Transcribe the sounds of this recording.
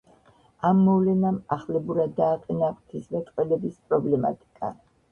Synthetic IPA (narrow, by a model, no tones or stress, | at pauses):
amːɔvlɛnamaχlɛbuɾad̪ːaːqʼɛnapt̪ʰismɛt̪ʼqʼwɛlɛbispʼɾɔblɛma̰t̪ʼi̥kʼa̰